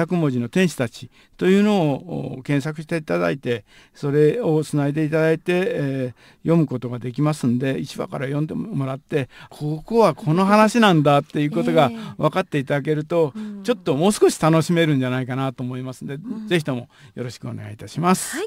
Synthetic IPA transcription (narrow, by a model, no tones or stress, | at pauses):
akɯ̟mo̞ʑino̞t̪ẽ̞ɰ̃ɕi̥t̪at͡ɕi̥ | t̪o̞jɯ̟ːno̞̰ːkẽ̞ɰ̃sakɯ̟ɕi̥t̪e̞it̪ad̪a̰it̪e̞ | so̞ɾe̞o̞t͡sɨnaed̪e̞it̪ad̪ait̪e̞ | jo̞mɯ̟ko̞t̪o̞ɡad̪e̞kʲimasɨ̃nd̪e̞it͡ɕiba̰ka̰ɾajõ̞nd̪e̞mo̞ɾat̪ːe̞kʰoːkoːβakʰo̞no̞ɦanaɕinãnd̪at̪ːe̞jɯ̟ːko̞t̪o̞ɡaβakat̪ːe̞it̪ad̪ak̬e̞ɾɯ̟t̪o̞t͡ɕo̞t̪ːo̞mo̞ːsɨ̥ko̞ɕi̥t̪ano̞ɕime̞ɾɯ̟̃ɲ̟d͡ʑanaikanat̪o̞ːmo̞imasɨnd̪e̞ze̞çi̥t̪o̞mo̞jo̞ɾo̞ɕi̥kɯ̟o̞ne̞ɡa̰it̪aɕimasɨ̥